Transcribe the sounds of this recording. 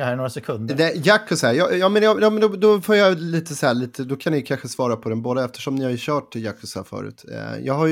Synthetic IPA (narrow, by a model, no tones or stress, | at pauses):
hæːɾnoːɾasɛkʰɵnd̪d̪ɛjakːʊsæːjɑjɑːmɛnjɑjɑːmɛnd̪ɔd̪ɔfoːɾjaliːt̪əshæːɭiːt̪ʰəd̪ɔkʰanːɪkʰanɧəsvɑːɾapʰɔd̪ɛnboːd̪aɛft̪ə̥ʂɔmnɪhaɕœːʈːɪjakːʊsæ̰fœ̰ːɾʉ̟̰ːt̪jɑ̰ːɡɦaj